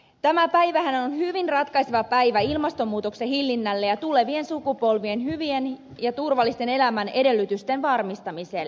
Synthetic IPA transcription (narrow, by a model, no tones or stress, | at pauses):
t̪æmæpæjʋæhænonhyʋinrɑt̪kɑjseʋɑpæijʋæilmɑst̪omːuːt̪o̞ksehilːinːælːe̞jɑt̪ule̞ʋie̞nsukupo̞lʋie̞nhyʋien | jɑt̪urʋɑlːist̪e̞ne̞læmæne̞de̞lːyt̪yst̪enʋɑrmist̪ɑmise̞l